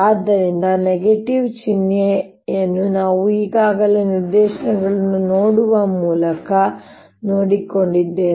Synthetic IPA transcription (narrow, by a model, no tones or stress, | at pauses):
aːd̪ːɐɾind̪ɐneɡeʈiʋt͡ʃinje | enːunaːʋuiːɡaːɡɐleniɾd̪eːʃɐnɐɡɐɭɐnːunoːɽuʋɐmuːlɐkɐ | noːɽiko̞ɳɖid̪ːeː